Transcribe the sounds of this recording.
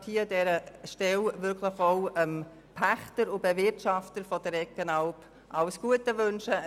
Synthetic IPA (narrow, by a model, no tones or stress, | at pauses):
thiːədɛɾəʃtɛlvʏɾkʰləχoʊəm | pʰæχtəɾʊbɛvɪrtʃɑftəɾfɔd̥əɾɛkːənɑlp | ʔɑwsɡ̥uətəʋønʃə